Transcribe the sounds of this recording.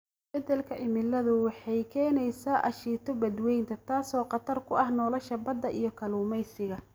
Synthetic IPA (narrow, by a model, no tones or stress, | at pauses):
bɛd̪ɛlkʰɐʔɪmɪlɐðʊwɑħɑjkʰɛːnɛjsaːʔɐʃiːt̪ʰɔbɐd̪wɛjnt̪ʰɐt̪ʰaːsɔːqɑt̪ʰɐrkʰʊɐhnɔːlɐʃɐbɐd̪ːɐʔijɞkʰɐluːmɛjsɪɣɐ